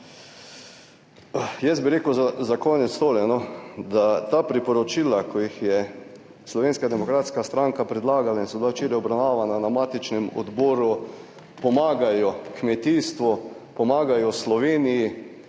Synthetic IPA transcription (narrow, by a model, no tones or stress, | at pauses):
jɛst̪biɾeːkəwzazakɔːnɛt̪st̪oːljɛnɔd̪at̪aːpɾipɔɾɔt͡ʃiːlakʰɔjixjɛ | slɔʋeːnskad̪ɛmɔkɾaːt̪skast̪ɾaŋkapɾɛd̪laːɡalainsɔbilaʃt͡ʃeːɾɛjɔbɾawnaːʋananamaːt̪it͡ʃnɛmɔ̰d̪bɔːɾu | pɔmaːɡajɔkmɛt̪iːst̪ʋɔpɔmaːɡajɔslɔʋeːniji